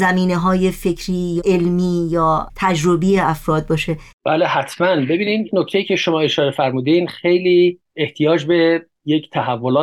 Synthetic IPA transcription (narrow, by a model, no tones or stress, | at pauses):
zæmiːneɦɒːje̞fe̞cʰɾiːjʔelmiːjɒːt̪ʰæd͡ʒɾobijeæfɾɒːd̪̚bɒːʃe̞b̥æːlehæt̪ʰmænbe̞biːnid̪noct̪ʰejiːcʰeʃomɒːe̞ʃɒːɾe̞fæɾmuːd̪inxejliː | eht̪ʰijɒːd͡ʒbe̞ | jecʰt̪ʰæhævːolɒː